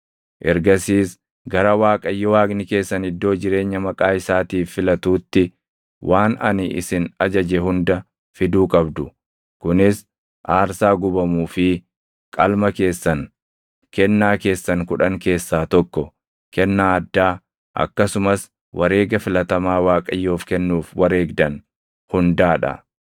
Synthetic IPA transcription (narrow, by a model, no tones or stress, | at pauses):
ʔɛɾɡɐsiːs | ɡɐɾɐwaːkʼɐjːɔwaːɡnɪke̞ːsːɐnɪd̪ːo̞ːd͡ʒɪɾe̞ːɲːɐmɐkʼaːɪsaːt̪iːfːɪlɐt̪uːt̪ːɪ | wʔaːnɐ̰nɪʔɪ̰sɪnɐd͡ʒɐd͡ʒɛhʊnd̪ɐ | fɪd̪uːkʼɐbd̪ʊ | kʊnɪs | ʔaːɾsaːɡʊbɐmuːfɪ | kʼɐlmɐke̞ːsːɐn | kɛnːaːke̞ːsːɐŋkʊᶑɐŋke̞ːsːaːt̪ɔkːɔ | kɛnːaːɐd̪ːaː | ʔɐ̰kːɐsʊmɐs | wʔɐɾe̞ːɡɐfɪlɐt̪ɐmaːwaːkʼɐjːuːfkɛnːuːfwɐɾe̞ːɡd̪ɐn | hʊnd̪aːᶑɐ̰